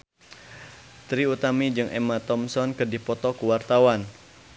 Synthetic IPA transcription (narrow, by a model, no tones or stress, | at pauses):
t̪ɾiut̪amid͡ʒɨŋʔɛmat̪ɔmsɔnkədipɔt̪ɔkuwart̪awan